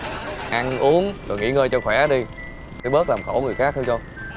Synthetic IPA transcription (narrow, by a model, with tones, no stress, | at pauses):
ʔa˧ŋʔu˨˦əŋzo̰˨˩jŋḭ˧˥ŋəː˧jt͡ɕɔ˧xwɛ˧˩˦ɗi˧ | t̪ʰə˨˧˦ɓəː˦˥t̚laː˨˩mxo˧˩ŋɨ˨˩əjxaː˦˥k̚t̪ʰɨ˧t͡ɕɔ˧